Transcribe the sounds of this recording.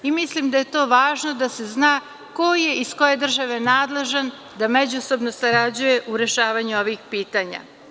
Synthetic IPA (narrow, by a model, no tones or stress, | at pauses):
imislimd̪aje̞t̪o̞ːʋaːʒnod̪ase̞znaː | ko̞je̞isko̞je̞d̪r̩ʒaʋe̞naːd̪lˠe̞ʒan | d̪ame̞d͡ʑuso̞bnosaɾad͡ʑuje̞ʔuɾe̞ʃaːʋaɲuo̞ʋixpiːt̪aːɲa̰